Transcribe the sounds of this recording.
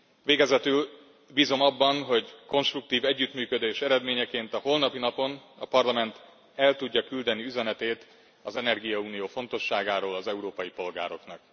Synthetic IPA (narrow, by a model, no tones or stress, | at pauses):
veːɡɛzɛt̪yl | biːzo̞mɒbːɒnɦo̞ɟko̞nʃt̪ruk̚t̪iːvɛɟːyt̪myːkød̪eːʃɛɾɛd̪meːɲɛkeːnt̪ɒho̞lnɒpinɒpo̞nɒpɒrlɒmɛnt̪ | ɛlt̪uɟːɒkyld̪ɛniyzɛnɛt̪eːt̪ | ɒzɛnɛrɡijɒuːnijoːfo̞nt̪o̞ʃːaːɡaːɾoːlɒzɛuɾoːpɒjipo̞lɡaːɾo̞knɒk̚